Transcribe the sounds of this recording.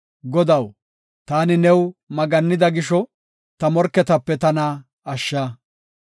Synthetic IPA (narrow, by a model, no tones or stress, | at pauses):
ɡɔd̪ɐw | t̪aːnɪnɛwmɐɡɐnːɪd̪ɐɡɪʃɔ | t̪ɐmɔɾkːɛt̪ɐpːɛt̪ɐnɐ | ɐʃːɐ